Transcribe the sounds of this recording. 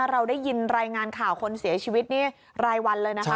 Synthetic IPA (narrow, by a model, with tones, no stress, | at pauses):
ɾa˧wda˥˩jːi˧nɾaː˧jŋaː˧nkʰaː˨˩wkʰo˧nsi˨˩˦t͡ɕʰiː˧wi˦˥t̪̚niː˥˩ | ɾaː˧jwa˧nlɤː˧jna˦˥k